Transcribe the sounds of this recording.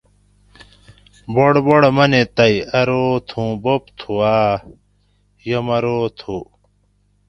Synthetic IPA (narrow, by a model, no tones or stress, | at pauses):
boɽboɽmɐnet̪ɐjɐɾoːt̪ʰũːbopt̪ʰuaː | jɐmɐɾoːt̪ʰu